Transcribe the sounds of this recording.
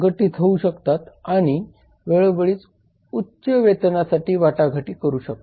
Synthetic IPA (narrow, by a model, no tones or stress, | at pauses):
ɡʱəʈiːt̪ʰəuɕəkt̪at̪aɽ̃i | ʋeɭbəɭiːt͡s | utːɕəʋet̪nasaʈiːʋaʈaɡʱəʈiːkəɾuːɕək̚t̪